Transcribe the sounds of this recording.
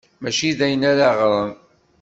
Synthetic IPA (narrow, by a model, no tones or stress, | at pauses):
mæʃiðæjənæɾaʁɾˤən